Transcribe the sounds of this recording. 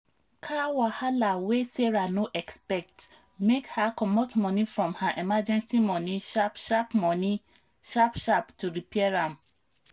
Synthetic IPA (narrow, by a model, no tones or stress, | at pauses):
kʰawahalaweseɹanoʔɛkspɛk̚t | mekhakɔmotmɔ̃nifɹɔ̃mhaʔemad͡ʒɛ̃nsimɔ̃nĩʃapʃapmɔ̃ni | ʃapʃaptuɹipiɛɹãm